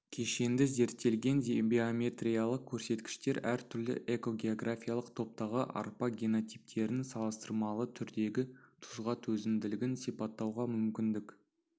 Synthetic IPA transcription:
kʲʰe̞ʃe̞nd̪ɪze̞ɾt̪ːe̞lɡʲe̞ndʲbʲeomʲe̞t̪rʲijalˠəq̚kʲʰɵɾse̞t̪kʲɪ̥ʃt̪e̞ɾæɾt̪ʰʏɾlɪ̰ʔe̞ko̞ɡʲe̞o̞ɡrafʲijalˠəqt̪ʰo̞p̚t̪ɑʁəʔɑ̰ɾpɑɡʲeno̞t̪ʲijp̚t̪ʰe̞ɾɪnsɑlˠəst̪əɾmɑlˠət̪ʰʏɾd̪e̞ɡʲɪt̪ʰʊ̥zʁɑt̪ʰɵzɪnd̪ɪlɪɡʲɪnsijpɑt̪ːɑwʁɑmʏmkʲɪnd̪ɪk

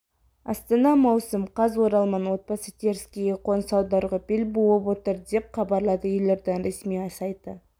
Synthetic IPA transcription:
ɑ̰st̪ɑnɑmɑwsəmqʰɑzwoɾɑlˠmɑnwo̞t̪̚pɑsət̪ʲʰeɾskʲejeqʰo̞nsɑwd̪ɑɾʁɑpɪlbowˠəpwo̞t̪əɾd̪e̞p̚χɑbɑɾlˠɑd̪əjʏjleɾd̪ɪnɾesmiɑsɑjd̪ə

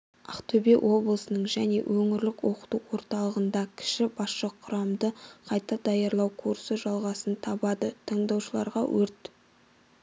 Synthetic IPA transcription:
ɑqt̪ʰɵbewʔo̞blˠəsənəɴʒæne̞̰wʔɵŋɪɾlɪkwo̞qə̥t̪uwo̞ɾt̪ɑlˠəʁənd̪ɑkʲʰɪ̥ʃɪbɑsʃəqʰʊɾɑmd̪əqʰɑjt̪ɑd̪ɑjɑɾlˠɑwkʰuɾsəʒɑlˠʁɑsənt̪ʰɑbɑd̪ət̪ʰɑɴd̪ɑwʃəlˠɑ̰ɾʁɑ̰wʔɵɾt̪

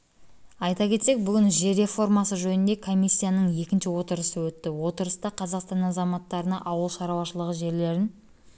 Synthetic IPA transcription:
ɑjt̪ɑkʲʰe̞t̪sek̚bʏɡʲɪnʒe̞ɾe̞fo̞rmɑsəʒɵnɪnd̪e̞kʰo̞mʲːisʲːijanəɴje̞kʲɪnʃɪwo̞t̪əɾəsəwɵt̪ːɪwo̞t̪əɾəst̪ɑqʰɑzɑqst̪ɑnɑzɑmɑt̪ːɑɾənɑʔɑwəlˠʃɑɾɑwɑʃəlˠəʁəʒe̞ɾle̞ɾɪn

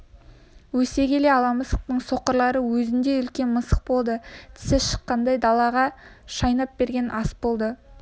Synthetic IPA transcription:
wɵse̞ɡʲe̞le̞ɑlˠɑməsəq̚t̪əɴso̞qəɾlˠɑɾəwɵzɪnd̪e̞ʏlkʲe̞nməsəq̚bo̞lˠd̪ət̪ʰɪ̥sɪʃə̥qːɑnd̪ɑjd̪ɑlˠɑʁɑʃɑjnɑp̚b̥e̞ɾɡʲe̞nʔɑsbo̞lˠd̪ə

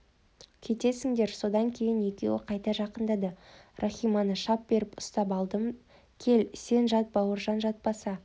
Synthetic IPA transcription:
kʲʰe̞t̪e̞sɪŋd̪e̞ɾso̞d̪ɑŋkʲʰe̞jɪnje̞kʲe̞wɪ̰qʰɑjt̪ɑʒɑqənd̪ɑd̪ərʔaχʲijmɑnəʃɑp̚be̞ɾɪpʊst̪ɑpɑlˠd̪əm | kʲʰe̞lse̞nʒɑt̪̚bɑwəɾʒɑnʒɑt̪̚pɑsɑ

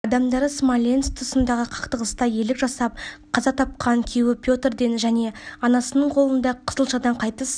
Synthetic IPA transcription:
ɑd̪ɑmd̪ɑɾəsmalʲenst̪ʰʊsənd̪ɑʁəqʰɑ̥qt̪əʁəst̪ɑje̞lɪkʒɑsɑp̚qʰɑzɑt̪ʰɑp̚qɑŋkʲʰewɪpʰʲjo̞t̪erd̪e̞nʒæne̞ɑnɑsənəɴqʰo̞lˠənd̪ɑqʰə̥zəlˠʃɑd̪ɑɴqʰɑjt̪əs

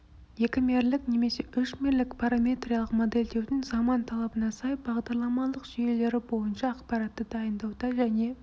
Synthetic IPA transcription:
je̞kʲɪme̞ɾlɪkne̞me̞se̞ʔʏʃme̞ɾlɪkpʰɑɾamʲe̞t̪rʲijɑlˠəqmo̞d̪e̞lʲd̪e̞wd̪ɪŋzɑmɑnt̪ʰɑlˠɑbənɑsɑjbɑʁd̪ɑɾlˠɑmɑlˠəqʒijele̞ɾɪbo̞jənʃɑːqpɑɾɑt̪ːəd̪ɑjənd̪ɑwd̪ɑʒæne̞

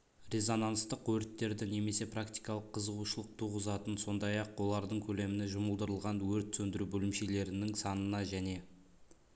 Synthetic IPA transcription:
ɾe̞zonɑnst̪əqwɵɾɪt̪ːe̞ɾd̪ɪŋne̞me̞se̞prakt̪ijkɑlˠəqʰːəzəʁuʃəlˠəq̚t̪ʰuʁəzɑt̪ənso̞nd̪ɑjɑqwo̞lˠɑɾd̪əɴkʲʰɵle̞mɪnɪʒʊməlˠd̪əɾəlˠʁɑnwɵɾt̪sɵnd̪ɪɾubɵlɪmʃe̞le̞ɾɪnɪŋsɑnənɑʒæne̞

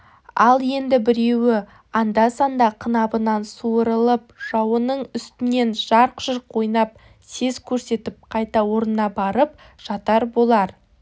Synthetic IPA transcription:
ɑ̰lˠje̞nd̪ɪbɪɾe̞wɪ | ɑnd̪ɑsɑnd̪ɑqʰənɑbənɑnsuəɾəlˠəp̚ʒ̥ɑwənəɴʏst̪ɪne̞nʒ̥ɑɾqʒ̥ʏɾqʰo̞jnɑp̚ | se̞zkʲʰɵɾse̞t̪ɪp̚qʰɑjt̪ɑwo̞ɾnnɑbɑɾəp̚ | ʒ̥ɑt̪ɑɾbo̞lˠɑɾ

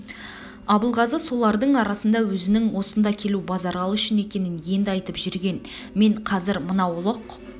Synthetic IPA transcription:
ɑbəlˠʁɑzəso̞lˠɑɾd̪əɴɑɾɑsənd̪ɑwɵzɪnɪŋwo̞sənd̪ɑkʲʰe̞lubɑzɑɾʁɑlˠʏʃɪne̞kʲe̞nɪnje̞nd̪ɪɑjt̪əpʒʏɾɡʲe̞n | me̞ɴqʰɑzɪɾmənɑwʊlˠəq

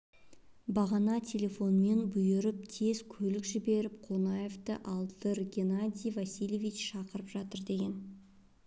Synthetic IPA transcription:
bɑʁɑnɑt̪ʲʰe̞lʲe̞fo̞nəme̞nbʊjɪɾɪp̚t̪ʰe̞zkʲʰɵlɪkʒɪbe̞ɾɪp̚qʰo̞nɑje̞ft̪ə̰ʔɑlˠd̪əɾɡʲenad̪ʲijvasʲijlʲevʲit͡ʃʃɑqəɾəpʒɑt̪əɾd̪e̞ɡʲe̞n

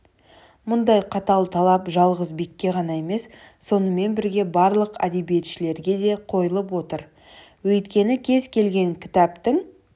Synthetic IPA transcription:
mʊnd̪ɑjqʰɑt̪ɑlˠt̪ʰɑlˠɑpʒɑlˠʁəzbe̞kʲːe̞ʁɑnɑe̞me̞sː | o̞nəme̞nbɪɾɡʲe̞bɑɾlˠəqæ̰d̪e̞bije̞t̪ʃɪle̞ɾɡʲe̞d̪e̞qʰo̞jəlˠəp̬wo̞t̪əɾ | wɵjt̪kʲe̞nɪkʲʰe̞zkʲʰe̞lɡʲe̞ŋkʲʰɪ̥t̪æpt̪ɪŋ

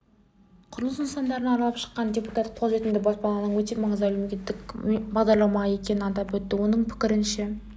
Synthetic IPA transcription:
qʰʊɾlˠəsunst̪ɑnd̪ɑɾənɑɾɑlˠɑpʃə̥qːɑnd̪ʲepu̥t̪ɑt̪qʰozɾe̞t̪ɪmd̪ɪbɑspɑlˠɑnəɴwɵt̪e̞mɑɴəzmælumekʲe̞t̪ːɪkʲbɑʁd̪ɑɾlˠɑmɑje̞kʲe̞nɪɑd̪ɑpwɵt̪ːɪwo̞nəɴpʰɪ̥kʲɪɾɪnʃe

